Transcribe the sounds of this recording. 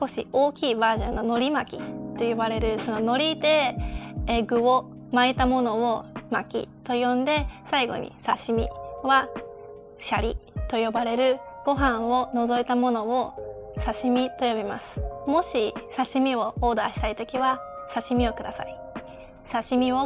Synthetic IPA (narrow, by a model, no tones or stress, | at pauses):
sko̞ɕḭo̞ːkʲiːbaːʑõ̞nːo̞no̞ɾʲimakʲḭt̪o̞jobaɾe̞ɾɯ̟so̞no̞no̞ɾʲit̪e̞ | eɡɯ̟o | mait̪amo̞no̞omakʲḭt̪o̞jõ̞nd̪e̞saiɡo̞̰ɲ̟ʔḭsaɕimʲḭβa | ɕaɾʲḭt̪o̞jo̞baɾe̞ɾɯ̟ɡ̥o̞ɦãɰ̃o̞no̞zo̞it̪amo̞no̞o | saɕimʲit̪o̞jo̞bʲima̰sɨ̥mo̞ɕisaɕimʲio̞o̞ːd̪a̰ːɕi̥t̪ait̪o̞kʲiβasaɕimʲio̞kɯ̟d̪asa̰i | saɕimʲio̞